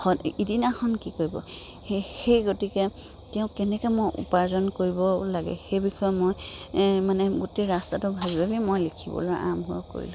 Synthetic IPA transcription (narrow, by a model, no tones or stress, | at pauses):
ɔidinakʰɔnkikoɹibɔ̰ | hexejɡotikɛ | tɛʊ̃kɛnɛkɛmojʔṵpaɹzɔnkoɹibɔlaɡɛ̰xejbixʰɔjɔmojmanɛɡoteɹastatʊbʱabibʱabimojlikʰibɔ̰lojʔa̰mɦʊa̰ko̰ɹḭlʊ̃